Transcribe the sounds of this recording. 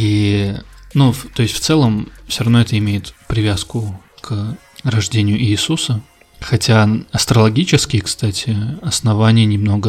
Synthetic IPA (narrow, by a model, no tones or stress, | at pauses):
i | nuft̪o̞ɪsʲtʲft̪sɛlˠəmfsʲoɾɐvnoɛt̪əɪmʲejɪt̪pɾʲɪvʲaskʊ | k | rɐʐdʲenʲɪjʊʔɪːsusə | xɐtʲaɐst̪ɾəlˠɐɡʲit͡ɕɪskʲɪjəkst̪atʲɪɐsnɐvanʲɪjənʲɪmno̞ɡə